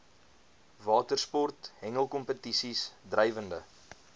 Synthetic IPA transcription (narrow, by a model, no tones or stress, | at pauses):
vɑːtərspɔrtɦɛŋəlˠkɔmpətisisdrɛjvəndə